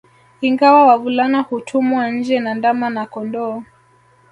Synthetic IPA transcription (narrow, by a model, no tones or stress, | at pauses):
iŋɡawawavulanahutʰumwan̩d͡ʒɛnandamanakɔndɔː